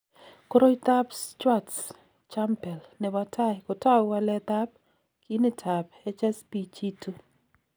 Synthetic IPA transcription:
ko˦ɾo˦jt̪a˦pst͡ʃwa˦ts | t͡ʃa˦mpɛ˨lnɛ˨watʰa˦ɪkɔ˨ta˦wa˦lɛ˦t̪a˦p̚ | ki˦ni˦tʰa˨pɛ˦t͡ʃɛ˦spi˨t͡ʃi˦tu˦

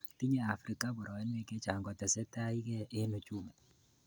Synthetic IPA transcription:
ti˦ɲɛ˦a˨fɾi˨ka˦bɔ˨ɾɔ˨ɛ˦nwɛ˦kɛ˦t͡ʃa˨ŋɡɔ˨tɛ˨sɛ˦ta˦i˦kɛ˦ʔe˦nu˨t͡ʃu˦mɛ˨

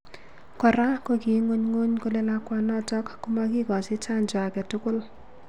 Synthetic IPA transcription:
kɔ˨ɾa˦koki˨ŋo˦ɲŋo˦ɲko˦le˦lakwa˦nɔtɔkːuma˦ki˦kɔ˨si˦t͡ʃa˦nd͡ʒa˨a˨kɛ˨tʊkʊ˦l

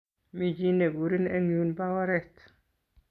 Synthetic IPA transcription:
mi˨d͡ʒi˦ne˨ɡu˨ɾi˦nɛ˦ŋjunbawaɾɛt̪

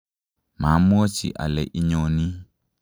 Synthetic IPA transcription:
mã˨˦mʊ̃˦ɔ˦t͡ʃḭ˨ʔa̰˨lɛ˨ʔi˦ɲɔ̃˨nĩ˦

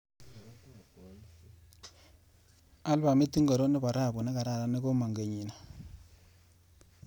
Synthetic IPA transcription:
a˦lba˨mi˦ti˦ŋɡo˨ɾo˦nɪ˦pa˨ɾa˦˨bʊ˨nɛ˦ka˨ɾa˦˨ɾa˦ne˦ko˦ma˨ŋɡe˨ɲi˨na˨

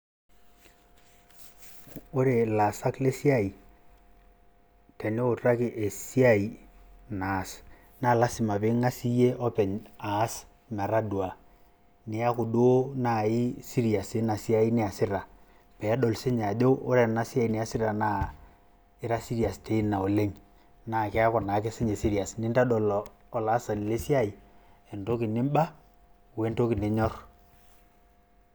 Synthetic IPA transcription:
ʊ˦ɾe˨la˨sa˦kle˦si˦a˦i˨ | tɛ˨nɪ˦ʊ˨tra˦kɪ˨ʔe˨si˦a˦i˨na˨s | na˨la˦sɪ˨ma˨pɪ˦ŋa˦si˦je˦ʔɔ˦pɛ˨ɲa˦s | ma˨ɾa˦dwa˨ | nɪ˨a˦kʊ˨do˦na˨ɪ˦si˦ɾi˨a˨sɪ˦na˨si˦a˦i˦ni˦a˨sɪ˦ɾa˨ | pɛ˨˦dɔ˨lse˦ɲ˨a˨d͡ʒo˦o˦ɾɛ˨na˦si˦a˦i˨ni˨˦a˦sɪ˦ɾa˨na˦ | ɪ˦ɾa˦si˦ɾi˨a˨ste˦i˦na˨o˨le˦ɲ | na˨kɛ˦a˦kɔ˨na˨˦ke˦se˦ɲe˨si˦ɾi˨a˨snɪ˦nta˦dɔ˨lː | la˨˦sa˨ni˨le˦si˦a˦i˨e˨nto˦kɪ˨nɪ˦mba˦ | we˦nto˦kɪ˨ne˦ɲɔ˦r

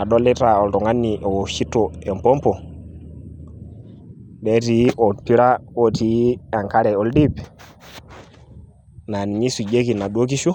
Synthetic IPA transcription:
a˨ɗɔ˦lɪ˦ta˨ɔ˨ltɔ˨ŋa˦nːi˨ʔɔ˨wo˨ʃi˦tːo˨ɛ˨mpɔ˦mpɔ˨ | bɛ˦ti˨˦ʔɔ˨pi˦ɾa˦wo˦ti˨˦a˨ŋka˦ɾɛ˨ɔ˦ldi˦p | na˨n˨ɲi˦su˨d͡ʒe˦ki˨na˨ɗwo˦k̬i˦ʃu˦

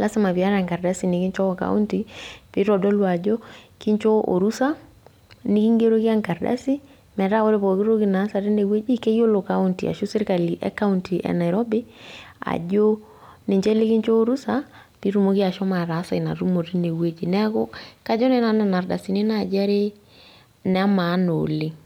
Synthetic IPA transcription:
la˦sa˦ma˨bi˨a˦ɾa˨ŋka˨ɾda˦si˨nɪ˨ki˦nt͡ʃɔ˦ɔ˨ka̰˦ṵ˦nti˨pi˦ɾɔ˨dɔ˦lwa˨d͡ʒo˦ki˦ɲt͡ʃɔ˦o̰˨ɾu˦sa˦ | nɪ˦ki˦ŋɡe˦ɾo˦ki˦a˦ŋka˨ɾda̰˦si˦ | mɛ˨ɾa˦o˦ɾe˦bɔ˨ki˦ɾo˦ki˦na˨˦sa˨ɾi˦ne˨we˦d͡ʒi˦ke˦jo˦lo˨ka˦u˦ntḭ˨a̰˨ʃu˦sɪ˦ɾka˨li˨ʔɛ̰˦ka˦u˦nti˨ʔɛ̰˨na˨jɾɔ˦bɪ˦a̰˨d͡ʒo˦ | nɪ˨ɲd͡ʒɛ˦lɪ˦ki˦ɲt͡ʃo˦o˦ɾu˦sa˦ | pi˦ɾu˨mo˦ki˦a˨ʃɔ˦ma˨ɾa˨˦sa˨i˨na˨ɾu˦mo˨ɾi˦ne˨we˦d͡ʒi˨nɛ˦a˦ko˦ka˨d͡ʒɔ˦nɛ˦na˨nɛ˨na˨ɾda̰˨si˨nɪ˦na˨d͡ʒa˦ɾe˦ | nɛ˨a˦ma˨˦no̰˨le˦

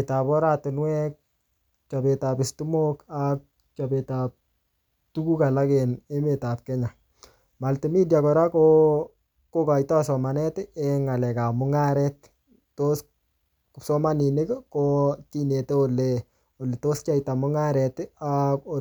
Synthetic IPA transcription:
ta˨pɔ˦ɾa˦tɪ˨nwɛk̚ | t͡ʃa˨be˨ta˨pɪ˨stu˦mokak̚ | t͡ʃabetap̚ | tu˦ku˦ka˨la˦kɛne˦metap̚kɛ˦ɲa˨ | ma˨lte˨mi˦dja˨kɔ˨ɾa˦ko | ko˦ka˨ita˦sɔ˨ma˨nɛ˦tɛŋa˨lɛ˨ka˨mʊŋa˦ɾɛt | tːos | sɔ˦ma˦ni˨ne˦kkotine˨te˦ole | o˨le˨to˦st͡ʃa˦ita˨mʊ˦ŋa˦ɾɛtako

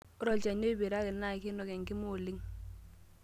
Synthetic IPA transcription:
ʊ˦ɾɔ˦˨d͡ʒɛ˨ɲe˦i˦bi˨ɾa˦kɛ˨na˦˨ki˦nɔ˨kɛ˨ŋɡɪ˦mʊ˨li˦ŋ

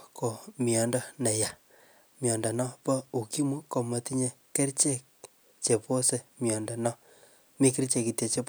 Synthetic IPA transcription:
ko˨mi˨ɔ˨ndɔ˦nɛ˨ja˨ | mjɔ˨ndɔ˨nɔ˦pɔ˦u˨ki˦mu˦ko˨mo˨ti˦ɲe˦ke˦ɾt͡ʃe˦k̚ | t͡ʃe˨po˦se˨mjɔ˨ndɔ˨nɔ˦ | mi˦ki˦ɾt͡ʃe˨ki˨te˨t͡ʃe˦p

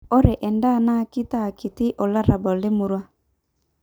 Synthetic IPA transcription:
ɔ˦ɾe˨ʔɛ˨nda˦˨na˦ki˦ta˦˨ki˨ti˦ʔɔ˨la˦ɾa˨bɔ˨le˦mu˨ɾwa˦

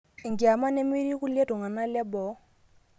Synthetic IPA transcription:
ɪ˨ŋ̩˨kɪ˨a˨ma˦ne˦mi˦ɾi˦kʊ˦le˦tʊ˨ŋa˨na˦lɪ˦bɔ˨˦

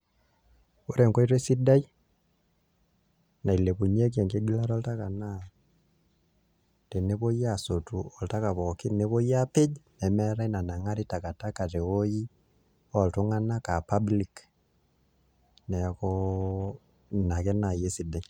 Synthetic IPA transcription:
o˦ɾe˨ŋko˦i˦ɾe˦si˦da˦i˦ | na˨i˨le˨ku˨ɲe˦k̬ɛ˨ŋke˦ɡi˦la˦ɾɔ˦lta˦ka˨na˦ | te˨ne˦βo˦iaso˨tu˨ɔ˨lta˦ka˨βɔ˨ki˦ne˦βo˦ija˦pe˦d͡ʒnɛ˨mɛɾa˦i˦na˨na˨ŋa˦ɾi˦ta˨ka˨ta˦ka˨te˨oji˦ | ɔ˨lto˦ŋa˦na˦ka˨pa˦bli˦k | nɛ˨kɔ | na˨kɛ˦na˨je˦si˦da˦i

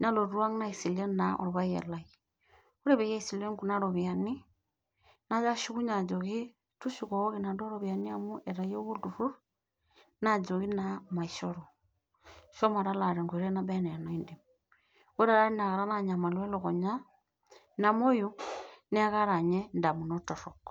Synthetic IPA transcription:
na˦lo˨ɾwa˦ŋna˦i˨si˨le˦na˨ʔo̰˨ɾo˨βa˦jḛ˨la˨i | o˦ɾe˦βe˨ja˦isi˨le˦ŋku˨na˦ɾo˨βja˨ni˦ | na˦d͡ʒa˦ʃi˦ku˦ɲa˨d͡ʒoɣi˦ | tu˦ʃu˨ko˨˦ki˨na˨ndo˦ɾo˦βja˨ni˦a˨mu˦ʔe˨ɾa˨jo˦βu˦du˨fu˦ | na˦d͡ʒo˨ɣi˦nama˨iʃoɾo˨ | ʃo˦ma˨ɾa˦la˨ɾe˨ŋɡo˨ɾe˦na˦be˦ne˨no˦indi˨m | o˦ɾa˨ɾa˦i˦na˨ɣa˨ɾa˦naɲa˨ma˨lwe˦lo˨ɣo˨ɲa˦ | na˨mo˦ju˦ni˦a˦ɣa˦ɾa˨ɲe˦nda˨mu˨no˦to˨ɾok

